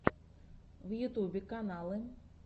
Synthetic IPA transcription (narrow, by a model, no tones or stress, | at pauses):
wjut̪ubʲɛkanalˠɨ